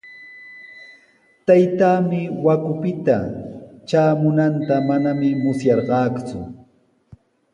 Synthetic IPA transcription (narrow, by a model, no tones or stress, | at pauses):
t̪ajt̪aːmɪwakʊpɪt̪at͡ʃaːmʊnant̪amanamɪmʊsjɑɾɢɑːkt͡sʊ̰